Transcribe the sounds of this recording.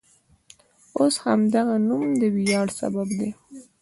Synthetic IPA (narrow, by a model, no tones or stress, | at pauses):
oshamd̪aɣanumd̪əwijɑɽsa̰babd̪e